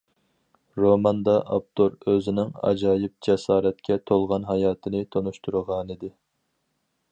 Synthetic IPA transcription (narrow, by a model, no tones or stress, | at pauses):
ɾomɑnd̪ɑʔɑp̚t̪ʰoɾøzɪnɪŋɑ̰d͡ʒɑːjɪp̚d͡ʒɛsɑːɾɛt̪̚kʲʰɛt̪ʰolˠʁɑnɦɑjɑːt̪ʰɨnɪt̪ʰonuʃt̪ʰuɾəʁɑnid̪ɪ